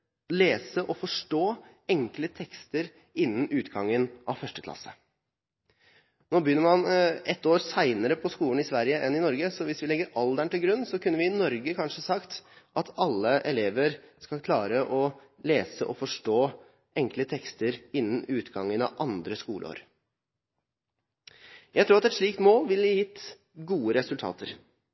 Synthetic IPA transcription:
leːsəʔɔfɔʂʈoː | ɛŋklət̪ʰɛkst̪əɾ | ɪnːənʉːt̪ɡɑŋːənɑʋfœʂʈəkʰlɑ̰sːə̥ | noːbəjʏnːəɾmɑnɛt̪ːoːɾsæɪnəɾəpʰɔskuːlən̩ɪsʋæɾjəʔɛnɪnɔɾɡəsɔʋɪsʋɪlɛɡːəɾɑld̪æɳʈ̪ɪlɡɾʉnːsɔkʉnːəʋɪnɔɾɡəkʰɑnʂəsɑkt̪ʔɑt̪ʰɑlːəʔɛleːʋəɾskɑlkʰlɑːɾəʔɔ | leːsəʔɔfɔʂʈoː | ɛŋklət̪ʰɛkst̪əɾɪnːənʉːt̪ɡɑŋːənɑ̰ʔɑnd̪ɾəskuːləo̰ːɾ | jæɪt̪ʰɾuːɾɑt̪ɛt̪ʂɭiːk̚t̪moːlʋɪljɪt̪ː | ɡuːəɾɛsʉlt̪ʰɑ̰ːt̪əɾ

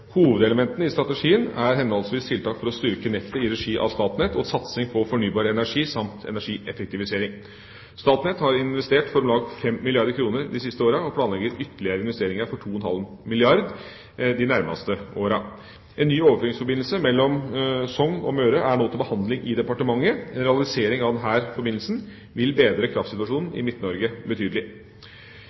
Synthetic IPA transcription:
huːʋəd̪ɛləmɛnt̪ənəɪst̪ɾɑt̪əʂiːənæɾɦɛnɔlsʋiːst̪ʰɪlt̪ʰɑːkfɔɾɔst̪ʏɾkənɛt̪ːəɪɾɛʂiːʔɑ̰ʋst̪ɑːt̪nɛt̪ʰɔsɑt̪sɪŋpʰɔfɔɳyːbɑːɾəɛnæʂiːsɑmt̪ʰɛ̰næʂiːʔɛfɛk̚t̪ɪʋɪseːɾɪŋ | st̪ɑːt̪nɛt̪hɑɾɪnʋɛst̪eːʈfɔɾmlɑːɡfɛmːɪlɪɑɾd̪əɾkʰɾuːnəɾd̪ɪsɪst̪əoːɾɑɔpʰlɑːnlɛɡəɾʏt̪əlɪəɾəɪnʋɛst̪eːɾɪŋɑɾfɔʈʰuːɔnhɑ̰lmɪlɪɑɾd̪ | d̪ɪnæɾmɑ̰st̪əoːɾɑ | ʔɛnːyːoːʋəføɪŋsfɔɾbɪnl̩səmɛlːɔmsɔŋnɔ̰møːɾəʔæɳoːt̪ɪlbəhɑnd̪lɪŋʔɪd̪ɛpɑʈəmɑŋːəɛnɾɛɑlɪseːɾɪŋɑʋd̪ɛnɦæːɾfɔɾbɪnl̩sn | ʋɪlbeːd̪ɾəkʰɾɑːftsɪt̪ʉɑʂuːnn̩ɪ̰mɪt̪ːnɔɾɡəbət̪ʰyːd̪əlɪ

